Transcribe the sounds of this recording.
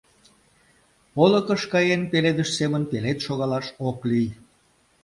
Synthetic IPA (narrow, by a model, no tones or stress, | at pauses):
polə̆kəʃkɑjenpeled̪əʃsemənpelet̪ʃoɣɑlɑʃoklyj